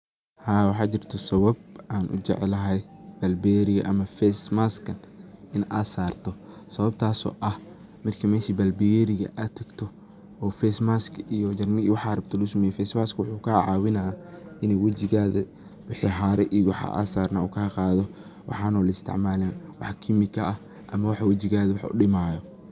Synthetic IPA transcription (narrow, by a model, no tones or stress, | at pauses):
haːwɑħɑːt͡ʃɪrt̪ʰɔsɐβɐb̚aːnʔʊ̰d͡ʒɛ̰ʕlɐɦɛjb̥ɐlbiɛɾɪɣɐ̰ʔɐmɐfɛsmaskʰɐn | ɪnʔaːsaːrt̪ʰɔ | sɐβɐb̚t̪ʰaːsɔ̰ːʔɐh | mɐrkʰɐmɛːʃiːbɐlbijɛɾɪɣɐ̰ʔat̪ʰɐɡt̪ʰɔ | ɔːfɛsmaskijɔd͡ʒɐrnɪiwɑħɑɾɐbt̪ʰɔlʊsɐmɛːjɛfɛsmaːskʰwʊħuːkʰaʕɑ̰ːwɪnɐaʔɪnɛjwɐt͡ʃɪɣaːðɐ̰ | wɪħiɦaːɾɛʔiwɑħʔa̰ːsaːrnɐuːkʰaːqɑːðɔ | wʔɑ̰ħɑːnɔːlɐɪst̪ʰɪ̰ʕmaːlɛːnwɑ̰ħkʰimɪkʰɐɐh | ʔɐmɐwɑħwɐt͡ʃɪɣaːðɐwɑħʊ̰ɗɪmaːjɔ